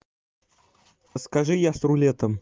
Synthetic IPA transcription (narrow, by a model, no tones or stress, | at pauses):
skaʐɨjasɾʊlʲet̪əm